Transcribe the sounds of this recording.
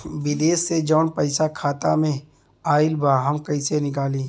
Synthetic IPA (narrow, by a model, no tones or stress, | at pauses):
wɪd̪eːsːed͡ʒɔːnpɐɪsakʰaːt̪amẽ | aːɪlbaːɦɐmkɐisenɪk̬aːliː